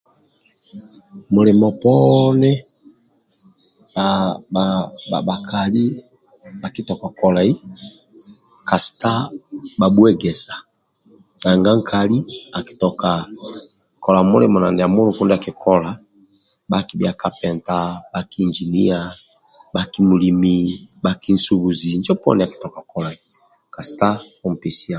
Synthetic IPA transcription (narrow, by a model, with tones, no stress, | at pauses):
mu˨lɛ˨mɔ˨pɔ˦nɛ˦ | a˨aa˨ba˨kʰa˨li˦ | a˨ki˦tɔ˨ka˨kɔ˨la˨i˦ | ka˨si̥˨ta˦ba˨bu˦ɛ˦ɡɛ˨sa˨ | na˨ŋɡa˦ŋ˦kʰa˨li˦a˨ki̥˨tɔ˨ka˨ | kɔ˨la˨mṵ˦lɛ˦mɔ˨na˨ndɛ˨a˨mu˦lu˦ku˦nda˨ki˨kʰɔ˦la˨ | ba˦ki˨˦bja˨ka˨pɛ˨nta˨ba˦ki˦˨nd͡ʒi˨ni˦a˨ | ba˦ki˦mu˨li˨mi˨ba˦ki˦n̩˦su˦βu˨zi˨nd͡ʒɔ˦pɔ̰˦ndɛ˨a˨ki̥˨tɔ˨ka˨kɔ˨la˨i˨ | ka˨si̥˨ta˦ | u˨m̩˨pi˨si˦a˨